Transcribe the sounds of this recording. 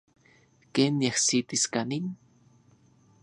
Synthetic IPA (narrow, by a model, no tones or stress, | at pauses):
keːnːiahsit̪iskanin